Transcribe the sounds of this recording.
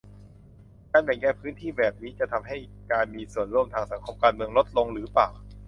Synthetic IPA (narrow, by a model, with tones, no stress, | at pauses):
kaː˧nbɛ˨˩ŋkɛː˧˩pʰɯː˦˥nt̪ʰiː˥˩bɛː˨˩p̚niː˦˥t͡ɕa˨˩t̪ʰa˧mɦa˥˩j | kaː˧nmiː˧su˨˩ənɾu˥˩əmt̪ʰaː˧ŋsa˩˦ŋkʰo˧mkaː˧nmɯ˧əŋlo˦˥t̪̚lo˧ŋɾɯː˩˦paː˨˩w